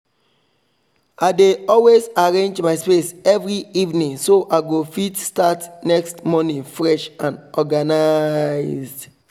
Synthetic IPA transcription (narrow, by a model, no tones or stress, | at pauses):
aɪdeɔlwezaɹẽnd͡ʒmaɪspesɛvɹiivnĩŋsoʔaɪɡofitstatnɛkstmɔnĩŋfɹɛʃãnɔɡanaɪzd